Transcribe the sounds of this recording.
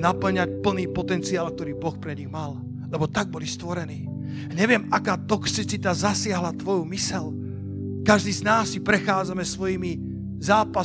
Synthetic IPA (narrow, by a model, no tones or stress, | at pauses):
napl̩ɲac̚pl̩niːpɔt̪ɛnt͡siaːlˠk̚t̪ɔɾiːbɔxpɾɛɲiɣmal | lɛbɔt̪aɡ̚bɔlist̪ʋɔɾɛniː | ɲɛʋɪɛmakaːt̪ɔksit͡sit̪azasɪaɦlat̪ʋɔjumisɛl | kaʒd̪iːznaːsːipɾɛxaːd͡zamɛsʋɔjimi | zaːpa